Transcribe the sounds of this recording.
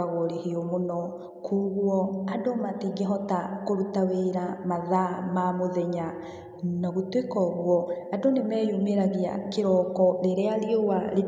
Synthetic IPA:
aɣoɾehiomonɔ | kuɣwɔadomatiɡeɦɔtakoɾutaweɾamaðamamoðɛɲa | naɣutwekɔɣwɔadonemɛjumeɾaɣia̰keɾɔkɔɾeɾeaɾiowale

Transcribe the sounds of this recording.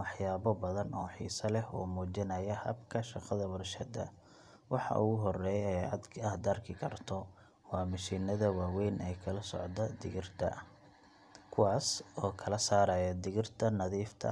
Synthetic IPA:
wɑħjaːβɐbɐðɐnʔɔːħḭːsɐlɛhuːmuːt͡ʃɪnɐjɐhɐ̰bkʰɐʃɑqɐðɐwɐrʃɐd̪ɐ̰ | wɑħɑ̰ʔuːɣʊɦɔrɛːjɛjʕɑ̰d̪kʰɐhd̪ɐrkʰɪkʰɐrt̪ʰɔ | wɑːmɐʃiːnɐðɐwaːwɛjnɛjkʰɐlɐsɔ̰ʕd̪ɐd̪ɪɣɪrt̪ʰɐ̰ | kʰʊwɑːsɔːkʰɐlɐsaːɾɐːjɐd̪ɪɣɪrt̪ʰɐnɐðiːft̪ʰɐ̰

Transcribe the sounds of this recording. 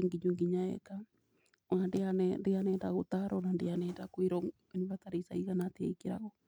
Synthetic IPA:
iŋɡiɲuŋɡiɲaɛ̰ka | wandeanɛndeanɛndaɣot̪aɾɔnandeanɛndakwiɾɔ | eniβataɾesaiɣanatea̰ikiɾa̰ɣɔ

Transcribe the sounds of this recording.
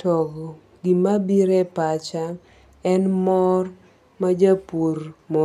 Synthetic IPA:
tɔɡɔ | ɡimabiɾɛpat͡ʃaŋ | ɛnmɔr | mad͡ʒapoɾmo

